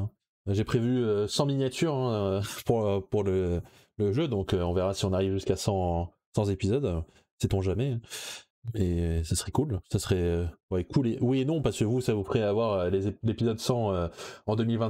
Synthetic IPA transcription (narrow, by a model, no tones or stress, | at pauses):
ʒepχevyøsɑ̃minjat̪ʰyʁɛ̃puʁøpuʁlə | ləʒød̪ɔ̃køɔ̃vɛʁasiɔ̃naʁivʒyskasɑ̃ | sɑ̃zepizɔd̪ | sɛt̪ɔ̃ʒamɛ̃ | esasəχɛkulsasəχɛøwɛkʰulewienɔ̃paʁskəvusavupχɛavwaʁølezelepizɔd̪sɑ̃øɑ̃d̪əmilvɛ̃